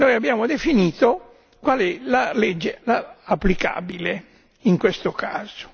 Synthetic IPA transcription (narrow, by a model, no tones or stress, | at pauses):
nojabːjaːmod̪efiniːt̪o | kwalɛlalɛd͡ʒːelaːpːlika̰ːbile | iŋkwest̪okaːz̥o̥